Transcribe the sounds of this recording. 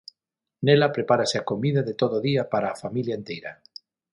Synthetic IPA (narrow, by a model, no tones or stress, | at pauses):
nelapɾepaɾaseakomiðaðet̪oðoðiapaɾaːfamiljaent̪ejɾa̰